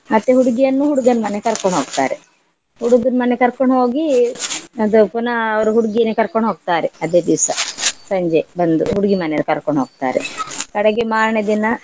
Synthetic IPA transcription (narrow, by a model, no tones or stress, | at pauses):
mɐt̪ːeɦuɽuɡijɐnːuɦuɽuɡɐnmɐnekɐɾkoɳɖɦoːɡt̪a̰ːɾe | huɽuɡɐnmɐnːekɐɾkoɳɦoːɡi | ɐd̪upunɐɐɾuɦuɽuɡijɐnːekɐɾkoɳɖɦoːɡ̚t̪aːɾeɐd̪eːd̪iʋsɐsɐɲd͡ʒebɐnd̪ṵɦuɽuɡimɐnejɐlkɐɾkoɳɖɦoːɡ̚t̪a̰ːɾḛkɐɽɐɡemaːɾɳed̪inɐ